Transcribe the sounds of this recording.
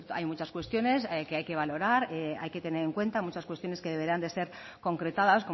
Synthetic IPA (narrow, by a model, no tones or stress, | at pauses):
t̪ajmut͡ʃaskwe̞st̪jo̞ne̞ske̞ajke̞β̞alo̞ɾaɾea̰jke̞t̪e̞ne̞ɾe̞ŋkwe̞nt̪amut͡ʃaskwe̞st̪jo̞neske̞ðe̞βe̞ɾand̪e̞se̞ɾ | ko̞ŋkɾe̞t̪aðasko